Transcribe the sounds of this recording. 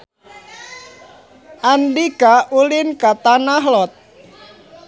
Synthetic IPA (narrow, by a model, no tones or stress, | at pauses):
ʔanɖikaulɪnkat̪anaɦlɔt̪̚